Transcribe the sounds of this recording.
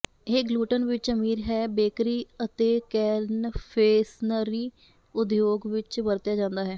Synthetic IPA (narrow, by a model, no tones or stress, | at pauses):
eːɡluːʈənʋɪt͡ʃəmiːɾɦɛːbeːkɾiːət̪eːkɛːnpʰeːsnəɾiː | ʊd̪joːɡʋɪt͡ʃbəɾt̪jaːd͡ʒãːnd̪aːɦɛː